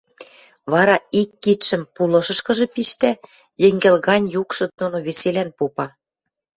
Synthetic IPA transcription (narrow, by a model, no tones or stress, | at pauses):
βɑɾɑikːit̪ʃə̆mpulɤ̆ʃɤ̆ʃkɤ̆ʒɤ̆piʃt̪æ | jɘ̆ŋɡĕlɣɑnʲjukʃɤ̆nunoβeselænpupɑ